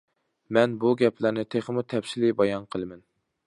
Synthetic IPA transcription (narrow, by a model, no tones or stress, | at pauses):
mɛnbuɡʲɛpʰlæɾnɪt̪ʰeχəmut̪ʰɛpsɪlɪbɑjɑnqʰəlˠɨmɛn